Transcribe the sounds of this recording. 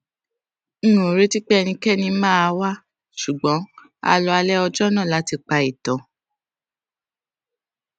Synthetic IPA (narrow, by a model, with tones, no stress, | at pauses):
n̩˦nũ˨o˨ɾe˦ti˦k͡pɛ˦˧nĩ˧kɛ˦˨nĩ˧mãː˦a˧wa˦ | ʃu˨ɡ͡bɔ̃˨˦ | a̰˧lɔ˧a˧lɛ˦ɔ˧d͡ʒɔ˦nã˦˨la˨˦ti˧k͡pa˧i˨tɔ̃˨˦